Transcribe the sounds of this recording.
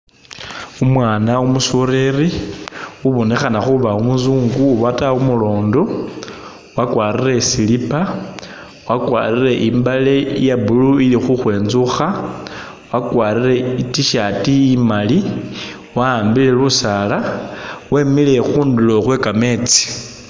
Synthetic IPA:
umwaːnaumusuɾeri | uβonexanaxuβaumuzuːŋɡuwataumulo̞ːndo̞ | wakwaːɾire̞silipa | wakwa̰rire̞ʔimbalejabuluilixuxwe̞ːnzuxa | wakwaːɾire̞itiʃatiːmali | waːmbile̞lusalaweːmile̞xuːndulo̞xwe̞kame̞t͡si̥

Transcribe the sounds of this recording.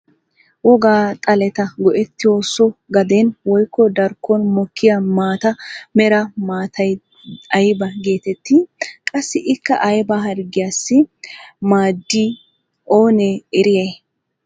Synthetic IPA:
wɔɡaːt̪ʼɐlɛt̪ɐɡɔʔɛt̪ːɪjosɔɡɐd̪ɛnwɔjkːɔd̪ɐɾkʰːɔnmɔkʰːɪjɐmaːt̪ɐmɛɾɐmaːt̪ʰɐj | ɐjbɐɡeːt̪ɛt̪ːɪkʼɐsːɪʔɪkːɐʔɐjbɐɦɐɾɡɪjasːɪmaːd̪ːi | ʔoːnɛɛɾɪjɐj

